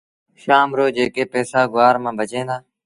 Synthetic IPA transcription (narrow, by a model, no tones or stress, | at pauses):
ʃaːmɾoːd͡ʒeːkeːpɛːsaːɡʊwaːɾmãːbʱət͡ʃẽːnd̪aː